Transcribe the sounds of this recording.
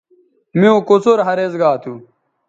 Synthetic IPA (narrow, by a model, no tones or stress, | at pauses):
miõːkot͡soɾɦɐɾezɡaːt̪ʰu